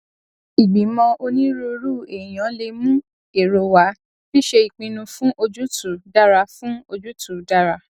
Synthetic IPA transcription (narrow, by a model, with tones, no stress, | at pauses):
i˨ɡ͡bi˨˦mɔ̃˧o˧nĩ˦ɾo˧ɾu˦˨e˨j̃ã˨˦le˧mũ˦ | e˨ɾo˧wa˨˦ | bi˦ʃe˧i˨k͡pĩ˧nũ˧fũ˦ʔo˧d͡ʒu˦tu˨da˦ɾa˧fũ˦o˧d͡ʒu˦tu˨da˦ɾa˧